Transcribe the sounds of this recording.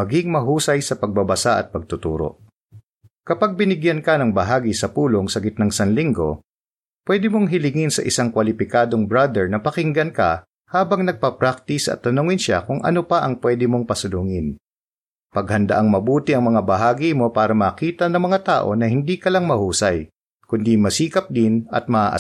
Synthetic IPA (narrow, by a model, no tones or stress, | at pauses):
mɐɡiŋmɐɦuːsɐjsɐpɐɡ̚bɐbɐsaʔɐ̰t̪̚pɐɡ̚t̪ʊt̪ṵːɾo̞̰ | kɐpaɡ̚bɪnɪɡjɐnkɐnɐŋbɐɦaːɡisɐpuːloŋsɐɡɪt̪̚nɐŋsɐnliŋɡo̞̰ | pwɛːd̪ɪmoŋɦɪlɪŋɪnsɐ̰ʔɪsaŋkwɐlɪpɪkaːd̪o̞ŋbɹad̪ɛɹnɐpɐkɪŋɡɐnkɐ̰ | haːbɐŋnɐɡ̚pɐpɾak̚t̪ɪsʔɐ̰t̪ːɐnoŋɪnʃa̰kʊŋʔɐ̰nopɐʔɐŋpwɛːd̪ɪmo̞ŋpɐsʊlʊŋɪn | pɐɡhɐnd̪ɐ̰ʔaŋmɐbuːt̪ɪʔɐŋmɐŋabɐɦaːɡimo̞paːɾɐmɐːkiːt̪ɐnɐŋmɐŋat̪aːʔo̞̰nɐhɪnd̪ikɐlaŋmɐhuːsɐj | kʊnd̪imɐsiːkɐp̚d̪ɪnɐ̰t̪̚mɐʔa̰ːʔɐ̰